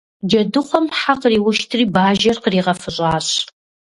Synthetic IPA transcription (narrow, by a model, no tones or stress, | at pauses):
d͡ʒɐdɨχʷɔmħaqriːwʊʃtʰriːbaːʒɐrqəriːʁɐfɨɕʼaːɕ